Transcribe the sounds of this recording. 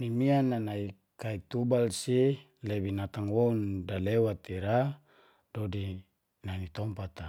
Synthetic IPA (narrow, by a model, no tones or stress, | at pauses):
nimianːanai | kait̪ubalsi | lebinat̪aŋwoundalewat̪iɾa | dodi | nanit̪ɔmpat̪a